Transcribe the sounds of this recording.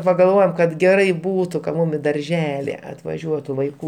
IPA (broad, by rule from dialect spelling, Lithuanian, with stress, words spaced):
pɐɡɐlˠˈʋoːjoːm kɐt ˈɡʲæːrɐɪ ˈbuːtʊ kɐt ˈmʊm ɪ dɐrʲˈʒʲæːlʲɪ ɐtʋɐˈʒʲuɔtʊ ʋɐɪˈkuː